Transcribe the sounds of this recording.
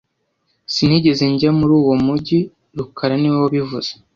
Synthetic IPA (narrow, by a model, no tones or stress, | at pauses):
sin̥hiːɟe̞ze̞ɲɟamuɾuːwo̞muɟi | ɾukʰaɾaniwwoβivuz̥e̥